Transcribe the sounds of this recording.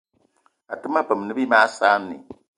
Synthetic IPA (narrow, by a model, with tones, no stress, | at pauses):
a˨tɨ˦mːa˦pɨ˨m˨nɨ˦bi˦maː˦saː˦nːḭ˨